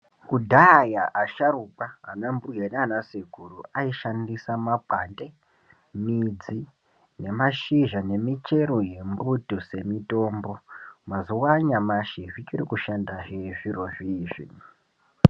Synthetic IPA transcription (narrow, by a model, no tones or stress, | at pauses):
kudʱajaʔaʃaɾukaɦa̰nambuɡenanaseɡʱuruaiʃandisamapande̞ | mid͡zi | ne̞maʃiʒane̞mit͡ʃe̞ɾoje̞mbutuse̞mito̞ːmbo̞mazuwaɲamaʃivit͡ʃirikuʃandaɦeʐiɾoviʒḭn